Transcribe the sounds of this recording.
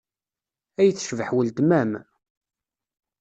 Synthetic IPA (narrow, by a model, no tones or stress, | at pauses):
æjθʃvəħwəld̪mæm